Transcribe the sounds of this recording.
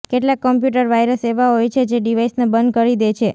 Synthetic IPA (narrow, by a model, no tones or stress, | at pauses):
keʈlakːəmpjuʈ̬əɾʋajɾəseʋaɦojt͡ʃʰed͡ʒeɖiʋaisnebənd̪̚kəɾid̪et͡ʃʰe